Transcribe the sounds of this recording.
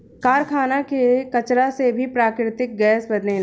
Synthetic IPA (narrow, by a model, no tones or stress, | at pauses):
kaːɾkʰaːnakekɐt͡ʃɾasebʱipɾaːkɾɪt̪ɪk̚ɡɛːsbɐd̪ne